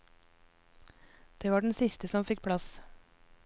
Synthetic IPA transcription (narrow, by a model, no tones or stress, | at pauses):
d̪̥eːʋɑːɖɛɳ̩sɪst̪əsɔmfɪk̚pʰɽɑs